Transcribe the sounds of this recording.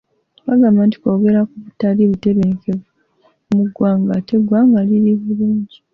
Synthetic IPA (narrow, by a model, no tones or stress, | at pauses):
βaɡaːmaːnti̥koːɡe̞ɾakuβutaɾiβute̞βeŋkeβ | muɡwaːŋɡate̞ɡwaŋɡaliɾiβuluːɲɟi